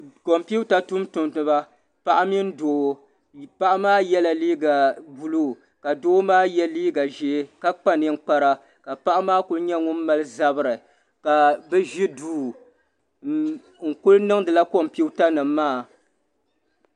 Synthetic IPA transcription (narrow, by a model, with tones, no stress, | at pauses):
ko˨mpi˦ta˦tʊ˦mtʊ˨mtɨ˨ba˦ | pa˨ʔa˦mi˦n̩˦doː˨˦ | pa˦ʔa˦maː˦jɛ˦la˨liː˦ɡa˨bu˨luː˦˨ | ka˨do˦maː˦jɛ˦liː˦ɡa˨ʒe˨˦ka˦k͡pa˦nɨ˦ŋ̩˦k͡pa˨ɾa˦ | ka˨pa˦ʔa˦maː˦kʊ˦lɲɛ˦ŋʊ˦m̩˦ma˦lɨ˦za˦bɨ˨ɾɨ˨ | ka˨bɛ˦ʒi˦duː˦˨ | ŋ̩˨kʊ˦lnɨ˦ŋdɨ˨la˦ko˨m˨pi˦ta˦nɨ˨mː˦aː˦˨